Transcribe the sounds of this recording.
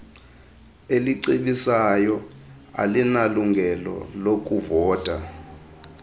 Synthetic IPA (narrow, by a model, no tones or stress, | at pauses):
eliǀiɓisajɔ | a̰linaluŋɡʱɛlɔ̰lok̬ʼuvɔːtʼa